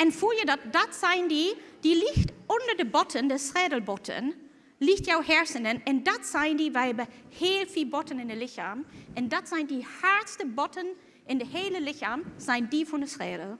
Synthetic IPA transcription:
ʔɛnfuljədat̚d̥atz̥aɪndiːd̥iːliçtʊndədəbɔtʰəndɛsʁɛːdəl̩ˠbɔtʰə̰n | liːçtjaʊhɛɹsəndənɛnd̥atz̥aɪəndiːvaɪbəheːlfiːlbɔtənɪ̃ndəlɪçaːmʔɛnd̥atz̥aɪndiːhaɹtstəbɔtʰən | ʔɪndəheːləlɪçamz̥aɪndiːfɔndəsʁɛːdl̩

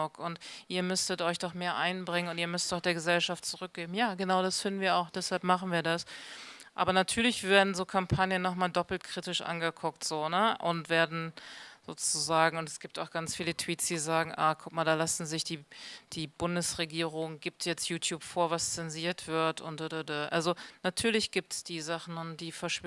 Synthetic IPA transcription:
ʊkʊntʔiːɐmʏstətʔɔʏçd̥ɔχmeːɐʔaɪnbʁɪŋənʊntiːɐmʏstdaʊd̥eːɐɡəzɛlʃaftt͡suʁʏk̚ɡ̥eːbm̩jaːɡənaʊɾasfɪndn̩viːɐaʊxd̥ɛshalp̚maχn̩viːɐdasʔa̰ːbɐnatʰyːɐlɪçv̥eːɐdn̩zoːkʰampʰanjənːɔχmaːldɔpl̩tkʁ̥iːtɪʃʔa̰nɡəkʰʊktz̥oːnəʔʊntv̥eːɐdn̩z̥o̰ːt͡suzaːɡŋ̩ʊntɛsɡ̥iːp̚taʊxɡ̥ant͡sfiːlətʰv̥iːtsd̥iːzaːɡŋ̩ʔa̰ːkʰʊkmaːldaːlasn̩zɪçd̥iːd̥iːbʊndəsʁeɡiːʁʊŋɡiːp̚tʰjɛt͡stjuːtʰjuːpfoːɐvast͡sɛnziːɐtv̥ɪɐtʊnt̚d̥ədədəʔalzonatʰyːɐlɪçɡ̥iːp̚tsd̥iːzaχn̩ʊnd̥iːfɛɐʃ

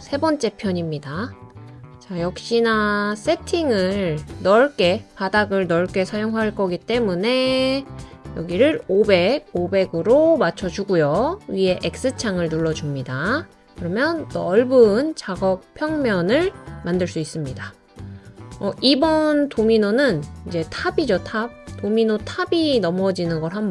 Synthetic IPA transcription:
sʰe̞bʌnt͡ɕ͈e̞pʰjʌɲimɲida | t͡ɕajʌk̚ɕ͈inas͈e̞tʰiŋɯɭnʌɭk͈e̞padaɡɯɭnʌɭk͈e̞sʰajoŋɦwaɭk͈ʌɡit͈e̞mune̞ | jʌɡiɾɯɾobe̞ɡ̚obe̞ɡɯɾomat͡ɕʰʌd͡ʑuɡujoɥiɦe̞ʔek̚s͈ɯt͡ɕʰaŋɯɭnuɭːʌd͡ʑumɲida | kɯɾʌmjʌntʌɭbɯnt͡ɕaɡʌk̚pʰjʌŋmjʌnɯɭmandɯɭs͈uis͈ɯmɲida | ʌibʌntominonɯnid͡ʑe̞tʰabid͡ʑotʰab̚tominotʰabinʌmʌd͡ʑinɯnɡʌɾɦam

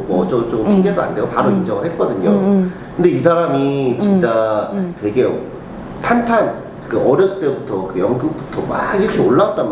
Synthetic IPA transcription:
mʌd͡ʑʌt͡ɕompʰiɡe̞doa̰nde̞ɡopaɾoind͡ʑʌŋɯɭɦet̚k͈ʌdɯɲokɯnde̞is̬ʰaɾamit͡ɕint͡ɕ͈atwe̞ɡe̞ | tʰantʰan | kɯʔʌɾjʌs͈ʰɯ̥t͈e̞butʰʌkɯjʌŋɡɯp̚p͈u̥tʰʌmaiɾʌkʰe̞oɭːawat͈̚an

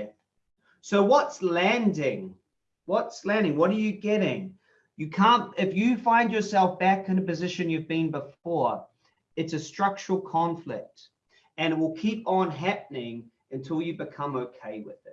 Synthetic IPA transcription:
soʊwʌtslæ̃ndɪ̃ŋ | wʌtslæ̃ndɪ̃ŋwʌɾə˞jɨɡɛɾɪ̃ŋ | jɨkʰæ̃ntɪfjɨfãɪ̃nd͡ʒə˞sɛlˠfb̥ækɨ̃nɨpɨzɪʃɨ̃njʉvbɨ̃nbəfɔɹ | ɨtsɨstɹ̥ʌk̚t͡ʃəɹl̩ˠkʰɑ̃ɱflɪk̚t | ɨ̃nɨt̚wəlˠkʰipn̩ɦæp̚n̩ɪ̃ŋ | ɨ̃ntʰɪlˠjɨbɨkʰʌ̃moʊkʰeɪwɪðɪt̚

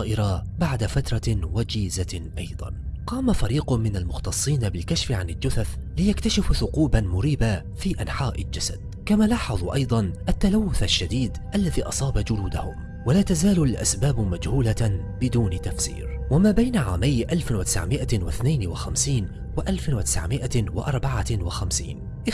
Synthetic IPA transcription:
ɑːʔɪɾɑbaʕd̪afat̪ɾˤɑwad͡ʒiːzaʔɑjd̪ˤɑ̰nqɑːmafaɾiːqʊmɪnalmʊxt̪ɑsˤːiːnabɪlkaʃfɪʕanɪld͡ʒʊθaθlɪjakt̪aʃɪfθʊquːbanmʊɾiːba | fiːʔanħaːʔɪ̰ld͡ʒasa̰d̪̥̚ | kamaːlɑːħɑðˤʔɑ̰jd̪ˤɑnʔat̪ːalawːʊθaʃːad̪iːd̪ʔalːaðiːʔɑsˤɑːbad͡ʒʊluːd̪ahʊm | walaːt̪azaːlʊlʔa̰sbaːbmad͡ʒhuːla | bɪd̪uːnɪt̪afsḭːɾwamaːbajnaʕa̰ːmajʔalfɪwat̪ɪ̥sʕmɪʔawɪθnajnwaxamsiːn | wɪʔalfɪwat̪ɪ̥sʕmɪʔawɪ̰ʔɑ̰ɾˤbɑʕawɪxamsḭːn | ʔɪ

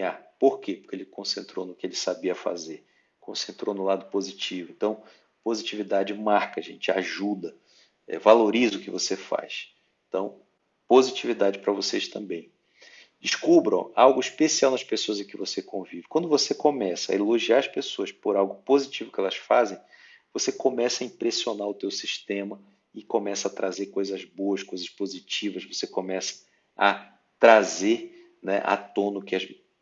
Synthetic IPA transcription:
apoɾkepoɾkeelɪkõsẽnt̪ɾownʊkɪelɪsabiɐfa̰zeɾ | kõsẽnt̪ɾownʊlad̪ʊpozit͡ʃivʊẽnt̪ɐ̃w̃ | pozit͡ʃivid̪ad͡ʒɪmaɾkɐʒḛ̃nt͡ʃɪa̰ʒud̪ɐ | ɛ̰valoɾizʊkɪvosefa̰js | ẽt̪ɐ̃w̃ | pozit͡ʃivid̪ad͡ʒɪpɾɐvoseʃt̪ɐ̃mbẽj̃ | d͡ʒɪʃkubɾɐ̰̃wawɡʊiʃpesiawnɐʃpesoɐzẽkɪvosekõvivɪkwɐ̃nd̪ʊvosekomɛsɐɐ̰eloʒiaɾɐspesoɐspoɾawɡʊpozit͡ʃivʊkɪɛlɐsfazẽj̃ | vosekomɛsɐĩpɾesionaɾʊt̪ewsiʃt̪ẽmɐ | ɪkõmɛsɐːt̪ɾazeɾkojzɐzboɐskojzɐʃpozit͡ʃivɐzvosekomɛsɐ̥ | ɐ | t̪ɾazeɾ | nɛ̰ʔa̰t̪õnʊkɪɐz

